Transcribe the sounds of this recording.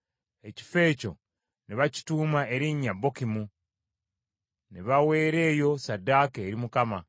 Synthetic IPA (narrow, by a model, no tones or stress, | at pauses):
e̞ci̥fe̞ːco̞ | niβaci̥tuːmae̞ɾiɲːabːo̞kimu | neβawe̞ːɾe̞ːjo̞sadaːkeːɾimukama